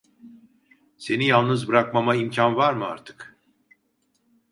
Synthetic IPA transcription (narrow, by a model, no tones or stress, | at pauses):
se̞nijalˠnɯzbɯɾak̚mamaimcʰanvaɾmɯa̰ɾt̪ʰɯ̥k